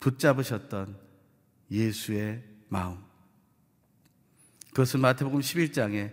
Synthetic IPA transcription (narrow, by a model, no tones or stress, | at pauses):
put̚t͡ɕ͈abɯɕʰʌt̚t͈ʌn | jesʰue̞maɯm | kɯɡʌsʰɯnmatʰe̞boɡɯmɕʰibiɭt͡ɕ͈aŋe̞